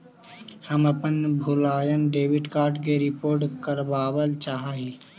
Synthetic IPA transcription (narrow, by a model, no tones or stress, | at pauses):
həməpənbʱʊlaːjənɖeːʋɪɖkaːɾʈkeɾɪpoːɾʈkəɾbaːʋəlt͡ʃaːɦaɦiː